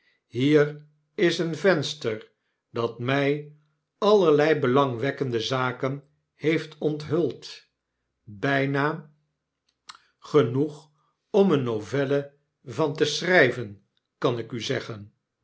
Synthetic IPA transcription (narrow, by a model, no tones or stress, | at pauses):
ɦiːr | ɪsənvɛnstəɹ | dɑtmɛj | ɑləɹlɛjbəlɑŋʋɛkəndəzaːkən | hejftʰɔntɦɵlˠt | bɛjnaː | χənuχ | ɔmənovɛlə | vɑntəsrɛjvən | kɑnɪkyzɛχən